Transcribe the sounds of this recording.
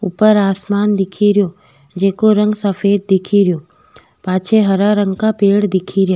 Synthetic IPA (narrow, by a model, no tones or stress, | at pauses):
ʊpəɾaːsmaːnd̪ɪkʰiɾɪjo | d͡ʑeːkoɾə̃ŋɡsəfeːd̪̚d̪ɪkʰiɾɪjoː | paːt͡ʃʰeɦɐɾaɾə̃ŋɡkapeːɽd̪ɪkʰiɾjaː